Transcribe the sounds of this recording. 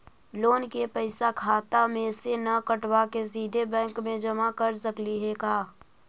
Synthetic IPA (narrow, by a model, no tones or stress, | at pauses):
loːnkepəɪsakʰaːt̪amẽsenɐkəʈwakesiːd̪ʱebɛ̃ːŋkmẽd͡ʒɐmakəɾsəkliɦekaː